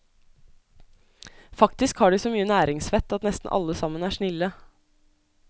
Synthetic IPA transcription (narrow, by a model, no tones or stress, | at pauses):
fɑkt̪ɪskhɑːɖiːsɔːmyːənæːɾɪŋsʋɛt̪ːɑt̪nɛst̪n̩ʔɑ̰lːəsɑmːənæːʂnɪlːə